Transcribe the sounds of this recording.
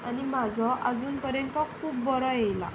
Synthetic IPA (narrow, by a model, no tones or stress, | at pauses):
animad͡zʱɔʔad͡zuːnpəɾjənt̪əkʰuːbbɔɾɔjejla̰